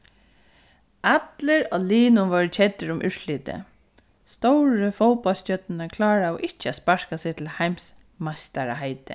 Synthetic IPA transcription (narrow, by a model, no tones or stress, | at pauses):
ʔat̪lɪɹɔliːnʊnʋœːɾt͡ʃʰɛt̪ːɪɾʊmʔʏʂliːt̪ɪ̰ | st̪owɹəfowpɔlstœt̪nɪnakʰlɑːɹaɔʔɪht͡ʃːɪaspaɹkasɛɣt̪ʰɪlhajms | mast̪aɾaɦajt̪ɪ̰